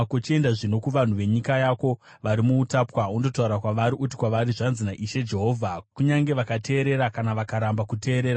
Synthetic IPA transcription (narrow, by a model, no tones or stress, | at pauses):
kot͡ʃie̞ndaʐino̞kuʋan̤uʋe̞ɲikajako̞ | ʋaɾimuːtapwaundo̞tauɾakwaʋaɾiʔuti̥kwaʋaɾiʐanzinaʔiʃe̞d͡ʒe̞ɦo̞ːvʱakuɲaŋɡe̞ʋakate̞ːɾe̞ɾakanaʋakaɾambakute̞ːɾe̞ːɾa